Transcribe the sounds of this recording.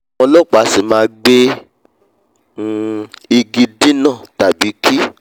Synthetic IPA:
ɔ̃˧lɔ˦˨k͡pa˨˦si˦˨mãː˦ɡ͡be˦˨ | i˧ɡi˧di˦nãː˦˨ta˨bi˨˦ki˦

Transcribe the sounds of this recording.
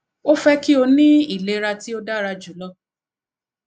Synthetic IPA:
o˦fɛ˦ki˦o˧nĩ˦i˦˨le˦ɾa˧ti˦o˦da˦ɾa˧d͡ʒu˨lɔ˧˦

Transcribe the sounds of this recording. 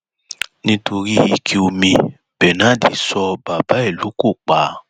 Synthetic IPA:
nĩ˦to˧ɾi˦i˧˨kʰi˦o˧mĩ˧ | b̥ɛ˨nã˨˦de˨sɔ˧ba˨ba˨˦ɛ˦˨lu˨˦ko˦˨k͡pa˨˦

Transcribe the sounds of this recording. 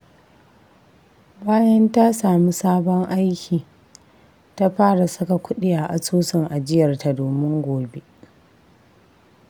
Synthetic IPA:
baː˦jɐ˦nta˦saː˨mi˦saː˦bɔ˦ŋʔa˦jkʲʰiː˨ | ta˦ɸaː˦ɽa˨sʊ˦ka˨kʷʰʊ˦ɗɪ˦ja˨ʔa˨suː˦sɪ˨ŋʔa˨d͡ʒɪ˦jɐ˨rta˨doː˨mɪ˦ŋɡʷoː˨be˦ʔ

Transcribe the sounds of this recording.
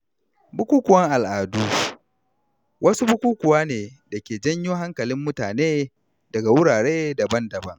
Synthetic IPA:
bʊ˦kʷuː˦kʷʊ˨ɐ˦ŋʔa˨lʔaː˨duː˦ | wʔɐ˦su˦bʊ˦kʷuː˦kʷʊ˨waː˦neː˨dɐ˨kʲeː˨d͡ʒɐ˦ɲjoː˦ɦa˦ŋkɐ˨lɪ˦mːʊ˦taː˨neː˦ | dɐ˨ɡa˨wʊ˦ɽaː˨ɽeː˦dɐ˨bɐ˦ndɐ˨bɐ˦ŋ

